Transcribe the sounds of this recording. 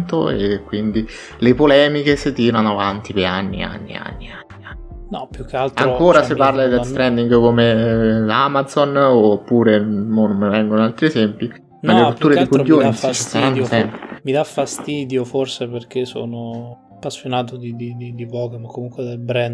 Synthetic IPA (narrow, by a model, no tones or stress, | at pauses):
nt̪oekwind̪i | lepolɛːmikeset̪ːiːɾanoavant̪ipea̰nːḭa̰nːḭa̰nːḭa̰nːianːi | nɔ̰pjukːealt̪aŋkkoːɾasepːarlad̪elst̪ɾɛnd̪iŋɡkomeamad̪zonopːuːɾemonmevɛŋɡonalt̪ɾiezɛmpi | nmalːeɾut̪ːuːɾedikujoːnit͡ʃisaɾanːosɛmpemid̪afːast̪iːd̪joforseperkeso̰ːno | apːasːjonaːt̪od̪id̪id̪id̪ivɔːkemakːomuŋkwed̪elbɾɛnd̪